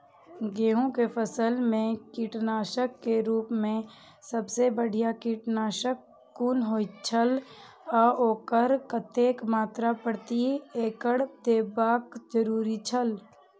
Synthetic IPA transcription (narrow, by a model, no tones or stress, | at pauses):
ɡeːɦũkepʰəsəlmẽkiːʈnaːʃəkːeɾuːpmẽ | səbsebəɽ̤ʱijakiːʈnaːʃəkː | uːnɦoːit͡ʃʰəl | ɔoːkəɾkət̪eːkmaːt̪ɾapəɽt̪ieːkəɽd̪eːbaːkd͡ʒəɾuːɾit͡ʃʰəl